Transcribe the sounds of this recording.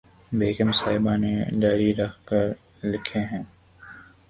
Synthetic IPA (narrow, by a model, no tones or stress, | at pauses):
beːkəmsaːɪbãned͡ʒaːɾiɾɐkʰkəɾ | lɪkʰeɦɛ̃ː